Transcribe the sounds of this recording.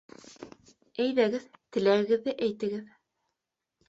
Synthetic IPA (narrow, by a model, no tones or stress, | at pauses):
æjðæɡɘðt̪ɘ̆læɾɘ̆ɡɘ̆ðːɘʔæjt̪ɘ̆ɡɘð